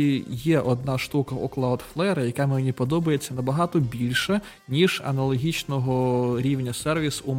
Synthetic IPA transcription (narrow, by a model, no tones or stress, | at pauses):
ijɛʔɔd̪nɑʃt̪ukɐʔɔklˠawd̪flˠɛɾɐjɐkɑmɪnʲipɔd̪ɔbɐjet͡sʲːɐnɐbɐɦɑt̪ɔbʲilʲʃɛ | nʲiʒɐ̰nɐlˠɔɦʲit͡ʃnɔɦɔɾʲiwnʲɐsɛrʋʲisum